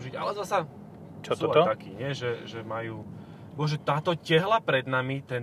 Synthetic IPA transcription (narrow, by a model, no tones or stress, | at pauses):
ʒiɟa̰lɛzasa | t͡ʃɔsaakiːɲɪɛʒɛʒɛmajuː | bɔɔʒɛt̪aːt̪ɔcɛɦlapɾɛd̪namit̪ɛn